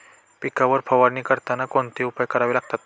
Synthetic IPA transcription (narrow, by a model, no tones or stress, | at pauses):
pikaʋəɾfʰəʋaɽniːkəɾt̪anakoɳt̪iupajkəɾaʋilaɡ̚t̪at̪